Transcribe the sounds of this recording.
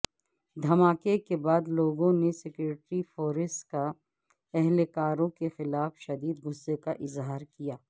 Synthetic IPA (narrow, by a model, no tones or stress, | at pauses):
d̪ʱɐmaːkekebaːd̪loːɡõnesekʊɾɪʈɾifoːɾɪsʈka | ɛɦlekaːɾõkexɪlaːfʃɐd̪iːd̪ɡʊsːekaʔɪzɦaːɾkijaː